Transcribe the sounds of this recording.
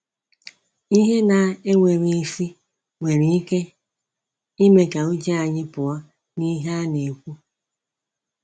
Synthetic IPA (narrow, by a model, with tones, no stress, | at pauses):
i˦ɦe˦na˨e˦ŋʷe˨ɾi˨e˨fi˦ | ŋʷe˨ɾi˨i˦ke˦ | i˦me˨ka˨u˦d͡ʒi˦a˨ɲɪ˦pʊ˨a˦ | ni˦ɦa˦ne˨kʷu˦